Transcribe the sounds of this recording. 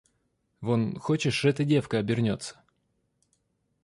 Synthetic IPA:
vonxot͡ɕɪʂɛt̪ədʲe̞fkəɐbʲɪrnʲo̞t̪sə̥

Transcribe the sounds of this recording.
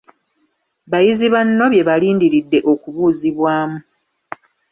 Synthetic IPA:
βajiziβanːo̞βje̞βaliːndiɾidːe̞ʔo̞kuβuːziβwaːmu

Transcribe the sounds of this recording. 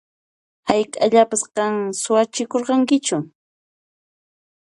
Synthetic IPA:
hajkʼaʎapasqɑŋsʊwat͡ʃɪkoɾqɑŋkɪt͡ʃʊ

